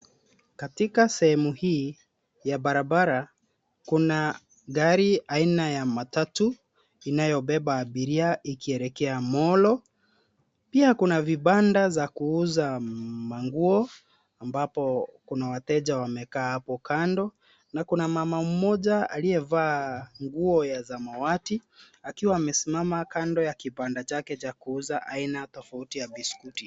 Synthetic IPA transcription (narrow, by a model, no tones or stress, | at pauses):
katikasɛhɛmuhiː | jabaɾabaɾa | kuna | ɡaɾiainajamatatu | inajɔbɛbaːbiɾiaʔikiɛɾɛkɛamɔlɔ | piakunaviɓandazakuuzamaŋɡuɔ | ambapɔkunawatɛʄawamɛkaːhapɔkandɔ | nakunamamam̩mɔʄaa̰liɛvaːŋɡuɔjazamawati | akiwaːmɛsimamakandɔjakipandat͡ʃakɛt͡ʃakuuzaʔainatɔfautijabiskuti